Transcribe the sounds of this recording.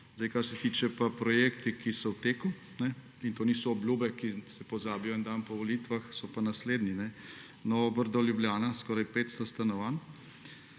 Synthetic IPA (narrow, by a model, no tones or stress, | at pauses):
zd̪ajkaɾsɛt̪it͡ʃɛpapɾɔjeːkt̪ikisɔwt̪eːku | nɛ | int̪oːnisɔːbljuːbɛkisɛpɔzaːbijɔind̪ampɔʋɔlit̪ʋaxsɔpanasleːd̪ninɛ | nɔbəɾd̪ɔljubljaːnaskɔːɾajpeːt̪st̪ɔst̪anɔʋaːn